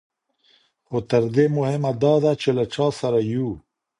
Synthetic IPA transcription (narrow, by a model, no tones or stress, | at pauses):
xot̪ɐɾd̪emʊhemad̪ɑːd̪at͡ʃelaʈ͡ʂɑːsɐɾaju